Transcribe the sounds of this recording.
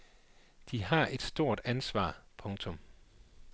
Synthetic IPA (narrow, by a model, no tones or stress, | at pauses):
d̥iɦɑ̈ʔe̝d̥sd̥o̝ɐ̰d̥ænsʋɑ̰̈ːpʰɔ̽ŋt͡sʰɔ̽m